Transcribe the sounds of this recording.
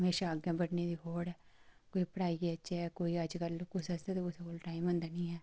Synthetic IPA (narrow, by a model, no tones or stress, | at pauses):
əmeːʃaːaɡjãːbəɽneːd̪iːɦoːɽɛːkoːiːpəɽaːiːətːt͡ʃɛːkoːiːəd͡ʒkəlkʊsəsd̪ɛːt̪eʊsekoːlʈaːɪmʊ̃nd̪aːnĩːɦɛː